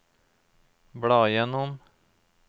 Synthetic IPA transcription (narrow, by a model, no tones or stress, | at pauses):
bɽɑːjɛnɔm